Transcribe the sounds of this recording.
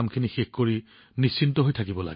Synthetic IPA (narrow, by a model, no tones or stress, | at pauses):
mkʰinixexkoɹi | nisːintɔɦojtʰakibɔla̰ɡɛ